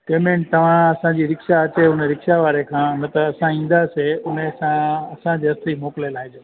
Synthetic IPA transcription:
ʈeːmẽɳʈ̚t̪ɐʋ̤ãɐsãd͡ʑiːɾɪkʃaɐt͡ɕeʊneɾɪkʃaʋaːɾekʰãːnɐt̪əɐsãĩːn̆d̪aseʊnesãɐsãd͡ʑeɐst̪ʰimoːklelaːɦɪ̃d͡ʑeː

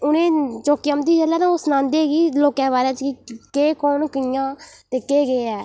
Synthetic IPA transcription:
ʊnẽːt͡ʃoːkijãːmd̪iːd͡ʒəlːɛːt̪ãːʊsnãːnd̪eːɡiːloːkɛ̃ːbaːɾẽːt͡ʃkɪkeːkoːnkɪjãːt̪eːkeːɡeːɛː

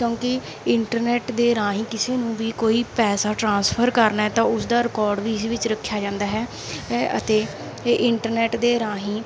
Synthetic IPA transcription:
kjõːkɪ | ɪɳʈəɾnɛːʈd̪eːɾãːɦĩːkɪseːnũːʋiːkoːiːpɛːsaːʈɾãːnspʰəɾkəɾnaːɦɛːt̪ãːʊsd̪aːɾɪkɔːɾɖʋiːɪsʋɪt͡ʃɾəkʰːjaːd͡ʒãːnd̪aːɦɛː | ə̰t̪eː | ʔɪɳʈəɾnɛːʈd̪eːɾãːɦĩː

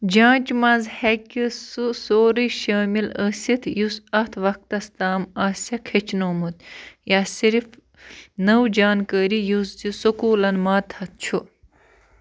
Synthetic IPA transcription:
d͡ʒãːt͡ʃmɐzhekʲːisusoːɾiʃɐːmiləːsit̪ʰjusɐt̪ʰʋɐk̚t̪ɐst̪aːmaːsʲɐkʰet͡ʃʰnoːmut̪jaːsiɾf | nɐwd͡ʒaːnkəːɾijusd̪isukuːlɐnmaːt̪ʰɐt̪̚t͡ʃʰu

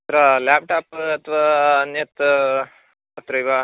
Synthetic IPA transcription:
t̪ɾalap̚ʈaːpɐt̪ʰʋaːnjɐt̪ | ɐt̪ɾɐjʋa

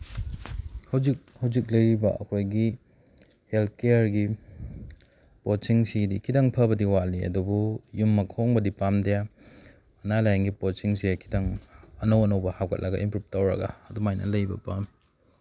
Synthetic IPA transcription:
hɐwzik̚hɐwzik̚lɐjɾibɐ̰ʔɐ̰kʰojɡi | helt̚ʰkejaɾɡi | pot͡ʃiŋsidikʰidaŋpʰɐbɐdiwaliɐ̰dubujumːɐkʰoŋbɐdipamdɐja | ɐnalajaŋɡipot͡ʃiŋsekʰi̥daŋɐnowɐnowbɐhawkʰɐ̰t̚lɐɡɐʔimpɾup̚tɐwɾɐ̰ɡɐ̰ːdumajnɐ̰lɐjbɐ̰pam

